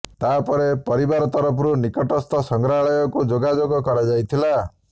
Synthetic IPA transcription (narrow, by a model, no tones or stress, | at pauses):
t̪apɔɾepɔɾibaɾɔt̪ɔɾɔpʰɾunikɔʈɔst̪ɔsɔŋɡɾaɭɔjɔkud͡ʒoɡad͡ʒoɡɔkɔɾad͡ʒajt̪ʰila